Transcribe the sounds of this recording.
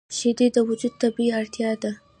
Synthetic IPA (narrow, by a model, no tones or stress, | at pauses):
ʃed̪ed̪əwʊd͡ʒud̪̚t̪abiiaɽt̪jɑd̪a